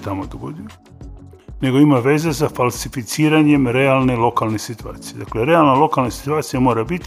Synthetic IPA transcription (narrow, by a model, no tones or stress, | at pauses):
t̪amod̪oɡo̰d̪ilo | ne̞ɡo̞imaʋe̞zesafalsifit̪siːɾaɲe̞mɾealˠne̞lo̞kalˠne̞sit̪ua̰ːt̪sije̞d̪akle̞ɾealˠnalo̞kalnasi̥t̪uaːt̪sijamo̞ːɾabit̪